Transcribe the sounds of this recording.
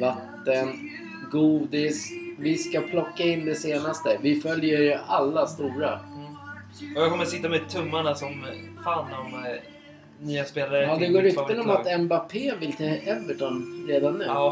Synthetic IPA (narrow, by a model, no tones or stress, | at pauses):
vat̪ːən | ɡuːd̪ɪsvɪskapʰlɔkːaɪnːd̪ɛseːnast̪əvɪfœljəɾalːast̪uːɾa | ɔjakʰɔməsɪt̪ːamɛt̪ʰɵmːaɳasɔmfaːnːm | nyːaspeːlaɾɔd̪ɛɡoːɾɪkt̪ːəɔmat̪ɛmbapʰeːvɪlt̪ʰɛʔɛvəʈɔnɾeːd̪anːʉ̟